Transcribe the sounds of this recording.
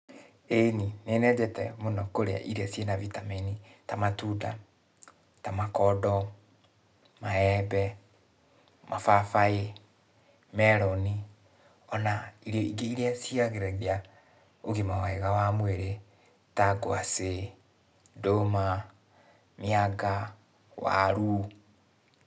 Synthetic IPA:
eninenɛd͡ʑɛtɛmonɔkoɾea̰ʔiɾeasenavitamenitamatuda | tamakɔdɔ | maɛbɛ | mʔafafae | mɛɾɔni | ɔnaiɾiɔiɡeiɾeasiaɣeɾɛɣea | oɣemawaeɣawamweɾe | taɡoase | doma | miaɡa | wa̰ɾu

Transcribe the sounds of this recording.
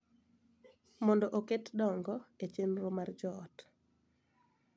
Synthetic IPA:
mɔndɔʔoketdɔŋɡɔet͡ʃenɾomard͡ʒɔːt

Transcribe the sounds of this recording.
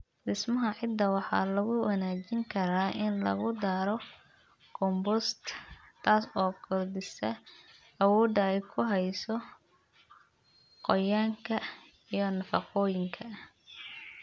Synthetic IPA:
dɪsmɐɦɐʕɪd̪ːɐwɑħɑ̰ːlɐɣʊwɐnaːt͡ʃɪŋkʰɐɾaːʔɪnlɐ̰ɣʊd̪aːɾɔ | kʰɔmbʊst̪t̪ʰaːsɔːkʰɔrd̪ɪsɐ | ɐwɔːd̪ɐɛjkʰʊɦɛjsɔ | qɔjaːŋkʰɐ | ijɔnɐfɑ̰qɔːjɪŋkʰɐ

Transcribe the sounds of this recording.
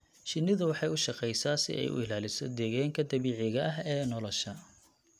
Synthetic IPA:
ʃɪnːɪðʊwɑħɑjʊʃɑqɛjsaːsɪ̰ʔɛ̰jʔʊ̰ɪlaːlɪsɔd̪ɛːɣaːŋkʰɐd̪ɐβiːʕɪɣɐʔɐɦɛːnɔlɔʃɐ

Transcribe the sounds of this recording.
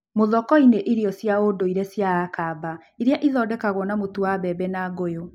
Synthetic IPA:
moðɔkɔineʔiɾiɔsjaodoiɾesjaːkaba | iɾjaʔiðɔdɛkaɣɔnamotuaβɛbɛnaɡojo

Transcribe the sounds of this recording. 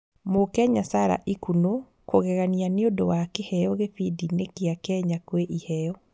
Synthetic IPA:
mokɛɲasaɾa̰ʔikuno | koɣɛɣanianeodowakehɛjɔɣefidinekeakɛɲakweʔihɛjɔ

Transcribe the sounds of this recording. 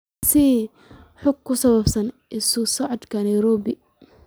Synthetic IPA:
sɪ | ħʊɡ̚kʰːʊsɐβɐbsɐnʔɪsʊsɔʕɔd̪kʰɐnɐjɾɔːbɪ

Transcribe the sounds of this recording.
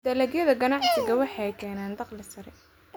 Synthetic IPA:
d̪ɐlɐɡjɐðɐɡɐnɑʕsɪɣɐwɑħɑjkʰɛːnaːnd̪ɑqlɪsɐɾɛ

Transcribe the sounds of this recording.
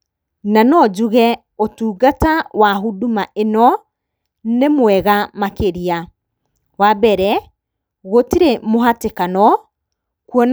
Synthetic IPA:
nanɔd͡ʑuɣɛ | otuːɡatawaɦudumaʔenɔ | nemwɛɣamakeɾia | wabɛɾɛ | ɣotiɾemoɦatekanɔ | kuɔn

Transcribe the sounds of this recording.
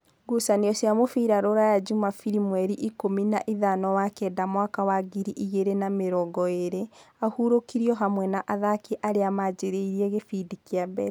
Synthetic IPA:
ɡusaneɔsiamofiɾaɾoɾajad͡ʒumafiɾimwɛɾiʔikominaʔiðanɔwakɛːdamwakawaɡiɾiʔiɣeɾenameɾɔɡɔeɾeahuɾokiɾiɔɦamwɛnaʔaðakeʔaɾeamad͡ʑeɾeiɾiɛɣefidikiabɛɾ

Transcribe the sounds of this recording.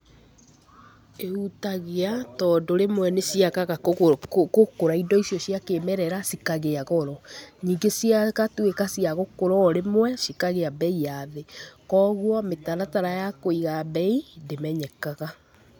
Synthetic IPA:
eutaɣeatɔdoɾemwɛnesiakaɣa | kokoɾaidɔisiɔsiakeːmɛɾɛɾasikaɣeaɣɔɾɔɲiːŋɡesiakatwekasiaɣokoɾɔɾemwɛsikaɣeabɛijaðekɔːɣwɔmetanataɾajakoiɣabɛindemɛɲɛkaɣa

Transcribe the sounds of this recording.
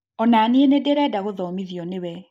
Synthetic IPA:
ɔnanienedɛɾɛdaɣoðɔmiðiɔnewɛ

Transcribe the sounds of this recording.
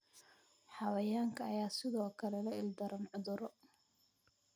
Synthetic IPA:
ħɑwɐjaːŋkʰɐːjaːsɪðɔːkʰɐlɛlɐɪld̪ɐɾɐnʕʊðʊɾɔ

